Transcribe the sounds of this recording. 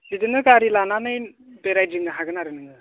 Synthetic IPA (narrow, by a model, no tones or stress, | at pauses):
bidɯnɯkaɾilananɯjbeɾajd͡ʒɯŋɡaɦaɡɯnaɾɯnɯŋɯ